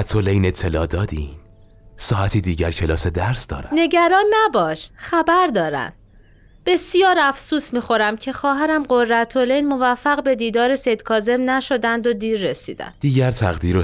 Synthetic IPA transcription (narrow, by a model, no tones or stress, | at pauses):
æt̪ʰːolejne̞t̪ʰːe̞lɒːd̪ɒːd̪iː | sɒːʔæt̪ʰiːd̪iːɟæɾcʰe̞lɒːse̞d̪æɾsd̪ɒ̰ːɾæne̞ɟæɾɒːnːæbɒːʃxæbæɾd̪ɒːɾæ̰n̥ | b̥e̞sijɒːɾæfsuːsmiːxo̞ɾæmcʰe̞xɒːɦæɾæmɢo̞rːæt̪ʰo̞lejnmo̞væfːæɣbe̞d̪iːd̪ɒːɾesejd̪̥kʰɒːze̞mnæʃo̞d̪ænd̪o̞d̪iːɾːe̞sḭːd̪æ̰md̪̥iːɟæɾt̪ʰæɣd̪iːɾo